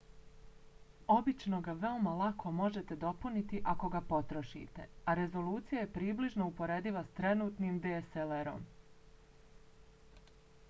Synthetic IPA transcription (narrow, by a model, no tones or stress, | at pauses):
o̞bit͡ʃno̞ɡaʋe̞omalˠakʰo̞mo̞ʒe̞t̪e̞d̪o̞punit̪iʔako̞ɡapo̞t̪ɾo̞ʃḭt̪e̞̰aɾe̞zo̞luːt̪sijaje̞pɾiːbliʒno̞upo̞ɾe̞ːd̪iʋast̪ɾe̞nuːt̪nimd̪eːseleɾo̞̰m